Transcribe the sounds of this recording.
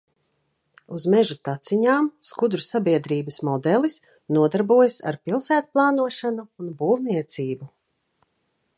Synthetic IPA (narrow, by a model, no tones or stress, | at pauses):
uzmɛʒut̪at̪siɲaːmskud̪ɾusabiɛd̪ɾiːbəsmɔd̪ɛlˠis | nuɔd̪aɾbuɔjɐsa̰ɾpilˠsæːt̪̚plˠɑːnuɔʃanuːnbuːwniɛt̪siːbu